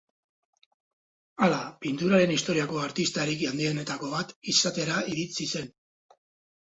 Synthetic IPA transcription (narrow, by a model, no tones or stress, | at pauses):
alapint̪uɾaɾe̞nist̪o̞ɾiako̞aɾt̪ist̪aɾikiand̪iene̞t̪ako̞βat̪isat̪e̞ɾaiɾit͡sise̞n